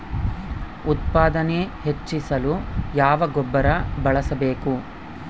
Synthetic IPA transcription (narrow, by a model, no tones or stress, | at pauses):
ut̪̚paːd̪ɐnehet͡ʃːisɐlujaːʋɐɡɔbːɐɾɐbɐɭɐsɐbe̞ːku